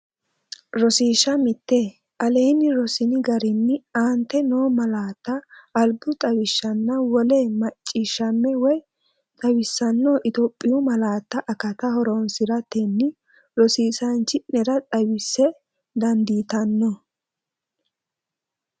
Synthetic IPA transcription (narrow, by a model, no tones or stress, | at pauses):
ɾɔsiːʃɐmɪt̪ːeː | ʔɐleːnɪɾɔsɪnɪɡɐɾɪnːɪaːnt̪ːɛnoːmɐlaːt̪ːɐʔːlbʊt̪ʼɐwɪʃːɐnːɐwɔleːmɐt͡ʃʼːɪʃːɐmːɛwɔj | t̪ʼɐwɪsːɐnːoʔɪt̪opʼːɪjʊmɐlaːt̪ːɐʔɐkɐt̪ɐhɔɾoːnsɪɾɐt̪ɛnːɪ | ɾɔsiːsɐnt͡ʃːɪnɛɾɐt̪ʼɐwɪsːɛ | d̪ɐnd̪iːt̪ɐnːɔ